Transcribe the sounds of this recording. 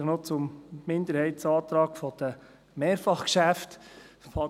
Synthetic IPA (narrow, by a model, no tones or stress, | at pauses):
χnot͡sʊmːɪnd̪əɾhɛɪtsɑːt̪ɾɑːɡfɔd̪̥ə | meːɾfɑχkʃæftfɑ